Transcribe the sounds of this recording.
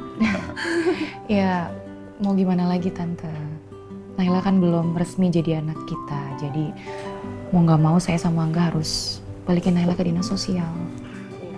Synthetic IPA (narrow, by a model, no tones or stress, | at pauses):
a | ja | maɡimanalaɡit̪ant̪a | nailakanbəlʊmrəsmid͡ʒadianakːit̪ad͡ʒadi | moŋɡamausajasamaːŋɡaaɾʊsbalikɪnailahkadinasosial